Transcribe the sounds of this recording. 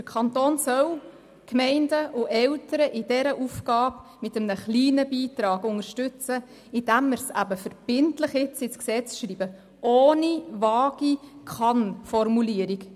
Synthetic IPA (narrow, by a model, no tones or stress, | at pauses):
d̥əkʰɑntoːnsœw | kmɛɪndəʔʊʔɛltəɾəʔɪdɛɾəʔufɡ̥ɑːpmɪtəmənəχliːnəbiːtɾɑːɡʊŋəɾʃtʉt͡sə | ɪd̥æmːɪɾsæ̰bəfəɾb̥ɪntləχɪt͡sɪt͡sksɛt͡sʃɾiːbə | ʔoːnivɑːɡ̥ikʰɑnfɔrmuliːəɾik